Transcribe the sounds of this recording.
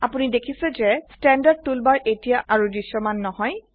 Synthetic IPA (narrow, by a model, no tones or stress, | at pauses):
apunidekʰisɛzɛstɛndad̚tulbaɹʔetijaʔaɹudisːɔmanːɔhɔj